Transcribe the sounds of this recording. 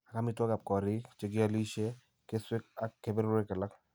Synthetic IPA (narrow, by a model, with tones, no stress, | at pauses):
a˨ka˦mɪ˦twɔ˦ka˨p̚kɔ˨ɾɪ˦kt͡ʃe˦k̬ɪ˦a˦li˦ʃɛ˦ | ke˦swɪ˦k̚a˨kːe˨bɪ˦ɾe˦ka˨la˦k̚